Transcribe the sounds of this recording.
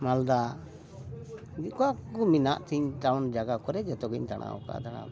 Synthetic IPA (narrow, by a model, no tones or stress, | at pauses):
mald̪a | d͡ʒikɔakɔmina̰ʔt̪ʰiɲʈawnd͡ʒaɡakɔɾɛd͡ʒɛt̪ɔɡiɲd̪aɽ̃a̰ɔ̰ka̰d̪aña̰